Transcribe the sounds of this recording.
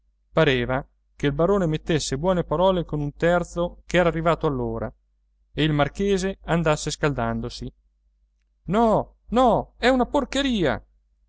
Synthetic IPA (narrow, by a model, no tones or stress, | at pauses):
paɾeːva | keilbaɾoːnemet̪ːesːebwɔːnepaɾɔːlekonunt̪ɛrt̪sokɛːɾarːivaːt̪oalːoːɾa̰ | eilmarkeːzeand̪asːeskald̪and̪osi | nɔ | nɔɛunaporkeɾiːa̰